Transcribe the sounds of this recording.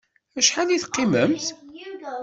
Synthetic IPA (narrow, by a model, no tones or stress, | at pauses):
æʃħaniθqːiməmθ